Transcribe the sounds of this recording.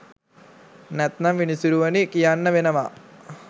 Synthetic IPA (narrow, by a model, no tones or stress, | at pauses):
net̪nɐmʋinisiɾuʋɐnikijanːɐʋinɐʋɐ